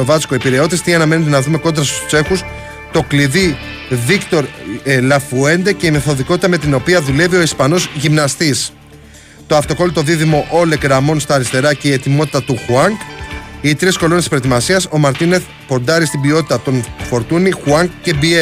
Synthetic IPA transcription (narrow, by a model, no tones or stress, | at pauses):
ovɐt͡skoepiɾe̞o̞t̪est̪iɐnɐme̞net̪̬e̞nɐðume̞ko̞nd̪ɾɐst̪u̥sse̞xus | t̪o̞kliði | vikt̪o̞ɾlɐfue̞nd̪ece̞ime̞θo̞ðiko̞t̪i̥t̪ɐme̞t̪ino̞piɐðule̞vio̞ispɐno̞zʝimnɐst̪is | t̪o̞ɐft̪o̞ko̞lit̪o̞ðiðimo̞ʔo̞lekɾɐmo̞nst̪ɐːɾist̪e̞ɾɐce̞ie̞t̪imo̞t̪i̥t̪ɐt̪uxuɐŋkit̪ɾisko̞lo̞nespɾt̪imɐsiɐso̞mɐɾt̪ine̞θ | po̞nd̪ɐɾist̪ibio̞t̪i̥t̪ɐt̪o̞nfo̞ɾt̪unixuɐŋkce̞bie